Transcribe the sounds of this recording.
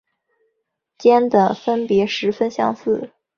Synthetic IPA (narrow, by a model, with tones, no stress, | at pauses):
t͡ɕjɛ˥nd̪ə˨˩fə˥npjɛ˧˥ʂɻ̩˧˥fə˥nɕjɑ̰˥˧ŋsɹ̩˥˩